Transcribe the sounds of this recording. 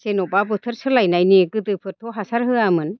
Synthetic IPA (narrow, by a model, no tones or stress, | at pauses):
senɔbabɯt̪ʰɯɾsɯlajnajniɡɯdɯpʰɯɾtʰɔɦasaɾɦɯamɯn